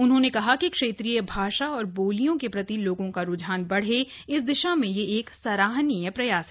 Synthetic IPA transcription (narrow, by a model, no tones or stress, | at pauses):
ʊnɦõnekɐɦakikʃeːt̪ɾijəbʱaːʃaɔːɾboːlijõkepɾɐt̪iloːɡõkaɾʊd͡ʒʱaːnbɐɽ̤eɪsd̪ɪʃamẽjeeːksɐɾaːɦnijəpɾɐjaːsɦɛ